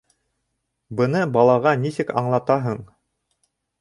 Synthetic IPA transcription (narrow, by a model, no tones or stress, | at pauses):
bɤ̆nɤbɑlˠɑʁɑnisɘkɑɴlˠɑt̪ɑɦɤɴ